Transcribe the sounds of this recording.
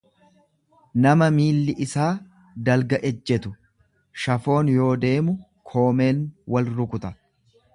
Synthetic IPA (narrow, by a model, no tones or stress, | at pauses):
nɐmɐmiːlːɪʔɪsaː | d̪ɐlɡɐʔɛd͡ʒːɛt̪ʊ | ʃɐfo̞ːnjo̞ːd̪e̞ːmʊ | kʰo̞ːme̞ːnwɐlɾʊkʊt̪ɐ